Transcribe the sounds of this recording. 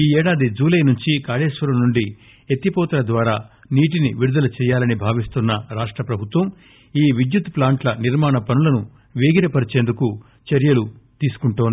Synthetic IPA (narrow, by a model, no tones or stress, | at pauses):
iːɛːɽaːd̪id͡ʒuːlɐjnuɲt͡ʃikaːleːʃʋɐɾɐmnuɳɖi | et̪ːipɔːt̪ɐlɐd̪ʋaːɾaː | niːʈ̬iniʋiɾud̪ɐlɐt͡ʃɛːjaːlɐnibʱaːʋist̪unːɐɾaːʂʈɾɐpɾɐbʱut̪ʋɐm | iːʋid̪jut̪plaːɳʈlɐniɾmaːɳɐpɐnulɐnu | ʋeːɡiɾɐpɐɾit͡ʃeːnd̪uku | t͡ʃɐɾjɐlut̪iːsu̥kuɳʈoːnd̪i